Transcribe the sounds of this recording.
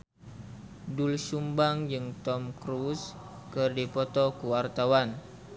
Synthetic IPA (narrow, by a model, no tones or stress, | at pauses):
dulsumbaŋd͡ʒɨŋt̪ɔmkɾus | kɨrdipɔt̪ɔkuwart̪awan